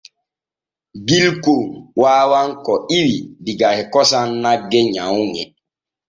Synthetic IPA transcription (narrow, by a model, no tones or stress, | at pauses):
ɡilkowaːwaŋkɔiwibiɡahɛkɔsanːaɡːɛɲawŋɛ̰